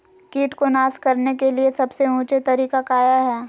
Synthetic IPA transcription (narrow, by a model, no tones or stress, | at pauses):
kiːʈkonaːskɐɾnekeliesɐbseũːt͡ʃet̪ɐɾiːkakaːjaɦɛː